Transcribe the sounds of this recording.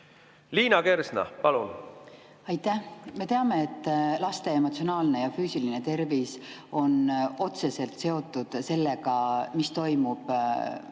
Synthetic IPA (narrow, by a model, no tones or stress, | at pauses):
liːnɑke̞ɾsnɑ̰pɑlun | ɑjt̪ːˑæhme̞t̪e̞ɑme̞et̪ːlɑst̪e̞emot̪sio̞nɑːlne̞jɑfyːsiline̞t̪e̞rviso̞no̞t̪se̞se̞lt̪se̞o̞t̪ːˑud̪̥se̞lːe̞ɡɑmist̪o̞jmub̥